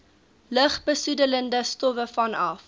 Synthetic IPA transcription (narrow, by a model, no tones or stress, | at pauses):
ləχbəsudələndəstɔvəfɐnɐ̰f